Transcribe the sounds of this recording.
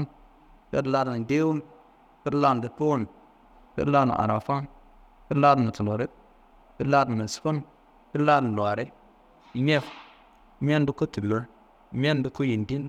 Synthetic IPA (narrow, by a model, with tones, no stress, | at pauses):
n | pḛ˦tla˦dn˨de˦wu˦n | pe˦dla˦n˨di˨po˦n˨ | pḛ˦la˦na̰˨ʔa̰˨ɾa˨fa˦n | pi˦laː˦dna˨tu˨lo˨ɾe˦ | pi˦la˦dnə˨sfo˦n | pi˦la˦dla˨ɾe˦ | ɲe˦f | mʲ˦e˦n˦du˦ko˦tu˨bu˨˦ɾ | mʲe˦n˦du˦ko˦ji˨ndi˦n